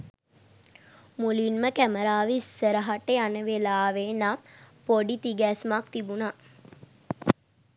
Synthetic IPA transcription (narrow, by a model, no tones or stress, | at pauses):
mulinməkæməɾaːʋisːəɾəɦaʈeanəʋelaːʋenapoɖit̪iɡæsmak̚t̪ibuna